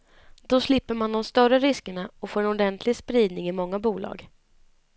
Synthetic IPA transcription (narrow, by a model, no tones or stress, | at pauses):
d̪ɔslɪpːəɾmand̪ɔmst̪œɾəɾɪskəɳaɔfoːɾɛnɔd̪ɛnt̪ʰlɪɡspɾiːd̪nɪŋɪmɔŋːabuːlɑ̰ːɡ